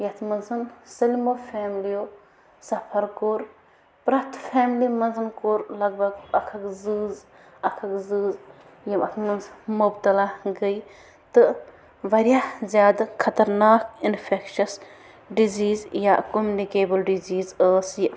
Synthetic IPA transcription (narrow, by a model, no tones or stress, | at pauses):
jɐt̪ʰmɐnzɨnsɐlmofʰɛːmlijoː | sɐpʰɐɾkoːɾ | pɾɐt̪ʰfʰɛːmlimɐnzɐnkoːɾlɐɡ̚bʱɐɡɐkʰɐɡzɨːz | ɐkʰɐɡzɨːz | jɐmɐt̪ʰmɐnzmobt̪ɐlaɡəj | t̪ɨ | ʋɐɾjazʲjaːd̪akʰɐt̪ɐɾnaːkinfʰekʃɐs | ɖiziːzjakomjunikeːbɐlɖiziːzəːsji